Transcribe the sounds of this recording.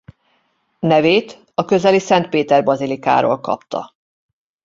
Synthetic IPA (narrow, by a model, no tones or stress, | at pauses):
nɛveːt̪ | ɒkø̞zɛlisɛnt̪̚peːt̪ɛrbɒzilika̰ːɾo̰ːlkɒ̰pt̪ʰɒ̰